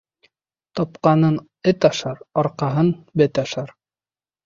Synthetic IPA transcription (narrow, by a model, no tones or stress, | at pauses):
t̪ɑpqɑnɤn | ɘt̪ɑʃɑɾɒɾqɑɦɤnbɘt̪ɑʃɑɾ